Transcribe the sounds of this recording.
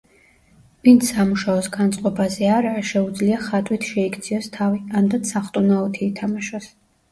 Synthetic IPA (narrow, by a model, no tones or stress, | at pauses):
vint̪sʰamuʃaɔsɡant̪sʼqʼɔbazɛaɾaʃɛud̪zliaχat̪ʼwit̪ʰʃɛikʰt̪sʰiɔst̪ʰaviand̪at̪sʰaχt̪ʼunaɔt̪ʰiːt̪ʰamaʃɔs